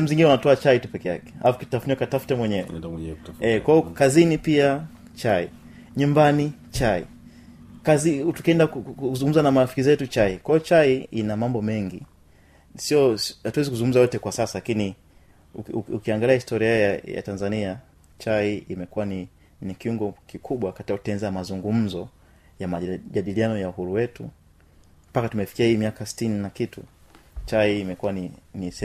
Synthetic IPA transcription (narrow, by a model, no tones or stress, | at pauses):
ɛm̩ziŋɡinɛunatɔat͡ʃaitupɛkɛja̰kɛ̥a̰lafukitafuniakatafu̥tɛmwɛɲɛwɛ̰ | ɛkwaɔkazinipia | t͡ʃaḭ | ɲumbani | t͡ʃaḭ | kazitu̥kɛndakukuzuŋɡum̩zanamaɾafi̥kizɛtut͡ʃaikwajɔt͡ʃaiinamambɔmɛŋɡi | siɔhatwɛzik̬uzuŋɡum̩zajɔtɛkwasasalakini | ukiaŋɡaliahistɔɾiahjaja̰tanzania | t͡ʃaiimɛkuwani | nikiuŋɡɔkikʰuɓwakatikautɛnzaamazuŋɡum̩zɔ | jamaʄaɗilianɔjauhuɾuwɛtu | mpakatumɛfi̥kiahiːmiakasi̥tininakitṵt͡ʃaiːmɛkuwaninisɛ